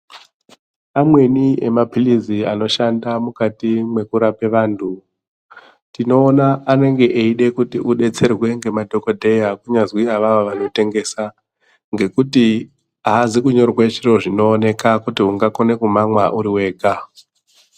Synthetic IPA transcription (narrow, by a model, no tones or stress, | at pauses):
amwe̞niʔe̞̰mapiliziano̞ʃandamukatimwe̞kuɾape̞ʋaːntʰu | tino̞ːnaːne̞ŋɡe̞ʔeiɗe̞kutiʔuɗe̞t͡se̞rwe̞ŋɡe̞madʱo̞ko̞dʱe̞jakuɲazwiaʋaʋoʋano̞te̞ŋɡe̞sa | ŋɡe̞kuti | aːzikuɲo̞rwet͡ʃiro̞ʐino̞ːne̞kakutiuŋɡako̞ne̞kumamwaʔuɾiwe̞ːɡʱa